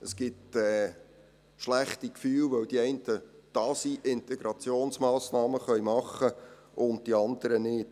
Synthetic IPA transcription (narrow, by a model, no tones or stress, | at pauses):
əsɡ̥ɪtɛː | ʃlæχtikfyːlʋœwd̥iɛɪntəd̥ɑːsiʔɪnt̪ɛɡ̥ɾɑt͡sjoːnsmɑːsnɑːməχœjmɑχəʔʊnt̚tiɑnd̪əɾənɪːt